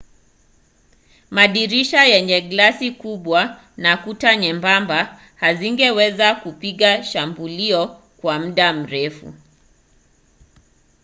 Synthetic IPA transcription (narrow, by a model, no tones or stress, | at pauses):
maɗiɾiʃajɛɲɛɡlasikuɓwa | nakutaɲɛmbamba | haziŋɡɛwɛzakupiɠaʃambuliɔ | kwam̩ɗam̩ɾɛfṵ